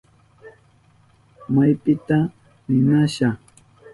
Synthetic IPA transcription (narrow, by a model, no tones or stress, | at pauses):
majpɪt̪a | nɪnaʃa